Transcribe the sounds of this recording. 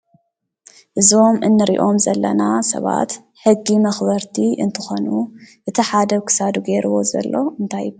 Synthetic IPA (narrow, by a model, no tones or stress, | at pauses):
ʔɨzo̞mɨnːɨɾḭʔo̞mzɐlːɐnasɐ̰βa̰t̪ | ħɨɡːimɐxβɐɾt̪ʰiʔɨ̰nt̪ʰɨxo̞nuʔɨt̪ʰiħad̪ɐkʰɨ̥sad̪uɡeɾuwo̞zɐ̰lːo̞ɨnt̪ʰaj